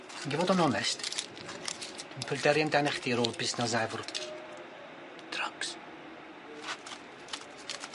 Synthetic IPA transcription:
aɡivoːdɔnɔnɛst | d̥inpʰədɛɾjandanɛχdiɾoːlˠbɪsnas̬ajvʊr | d̥raks

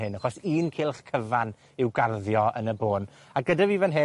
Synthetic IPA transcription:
ɪnaχɔsiːnkʰɪlˠχkʰəvan | ɪwɡarðjɔə̰nəboːn | aɡədaviːvənɦe

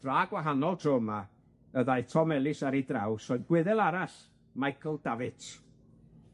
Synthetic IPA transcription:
d̥raːɡwaɦanɔlˠtʰroma | əðajtʰɔmɛlˠɪsaɾidrawsɔðɡ̥wɪðɛlˠaɾaɬ | majkʰɔlˠdavɨtʰ

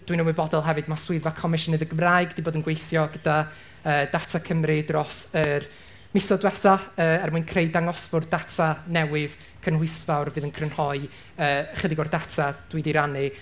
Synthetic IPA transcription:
d̥winəwɪɨbɔdɔlˠɦɛvɨdmaswɪvakʰɔmɪʃənɨðəɡəmraɨɡd̥iboːdənɡwejθjɔɡəda | əːdatʰakʰəmrɨdrɔsər | mɪsɔdwɛθaəːɛrmuɨnkʰrejdaŋɔsb̥ʊrdatʰanɛwɪð̥ | kʰənhʊjsvawrvɨːðənkʰrənhɔɨ | əːχədɪɡɔrdatʰad̥wɨdiɾanɨ

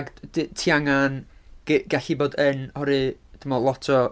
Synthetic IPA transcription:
ɡtʰiaŋanɡ̥ɡɛɬiboːdənɔɾɨd̥ʰəmɔlˠɔtʰɔ

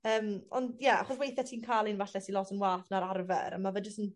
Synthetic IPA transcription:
əːmɔ̰ndjaa̰χɔswejθjatʰiːnkʰaːlˠinvaɬɛsʰilɔtʰənwaːθnaɾarvɛ̰ɾa̰mavəd͡ʒəstən

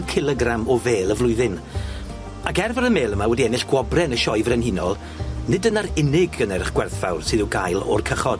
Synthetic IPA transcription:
kʰɪlˠɛɡramɔveːlˠəvlˠʊɨðɪn | akɛrvəɾəmeːləmawɛdiɛnɪɬɡ̥wɔbrɛnəʃɔjvrɛnhinɔlˠ | nɪdənaɾɪnɪɡənɛɾɪχɡ̥wɛrθfawrsɨðɨɡajlˠɔ̰rkʰəχɔd̥

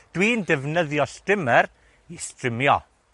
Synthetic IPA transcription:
d̥wiːndɛvnəðjɔstɪmɛɾ | istrɪmjɔ̰

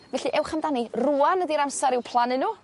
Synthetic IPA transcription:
vɛɬiʔɛwχamdaniruanədiɾamsaɾɪwpʰlˠanɪnːuː

